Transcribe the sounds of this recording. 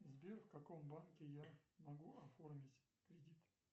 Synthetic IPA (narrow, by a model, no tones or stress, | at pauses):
zʲbʲerfkɐkombankʲɪjamɐɡuʔɐformʲɪtʲ | kɾʲɪdʲit̪